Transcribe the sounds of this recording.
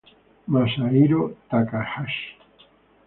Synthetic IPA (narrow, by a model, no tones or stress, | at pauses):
masaiɾot̪akaħaʃ